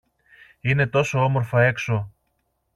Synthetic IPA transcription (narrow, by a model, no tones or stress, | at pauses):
ine̞t̪o̞so̞omo̞ɾfɐe̞kso̞